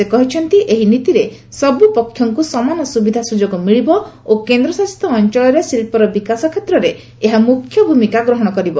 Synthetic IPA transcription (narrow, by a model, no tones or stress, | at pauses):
sekɔɦit͡ʃʰɔnt̪iʔeɦinit̪iɾesɔbupɔkʰːjɔŋkusɔmanɔsubid̪ʱasud͡ʒoɡɔmiɭibɔ | okend̪ɾɔsast̪ʰɔːnt͡ʃɔɭɔɾesilpɔɾɔbikasɔkʰet̪ɾɔɾeː | ɦamukʰːjɔbʱumikaɡɾɔɦɔɽ̃ɔkɔɾibɔ